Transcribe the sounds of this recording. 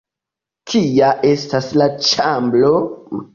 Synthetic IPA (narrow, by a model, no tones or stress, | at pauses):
kʰijaʔe̞staslat͡ʃamblo̞m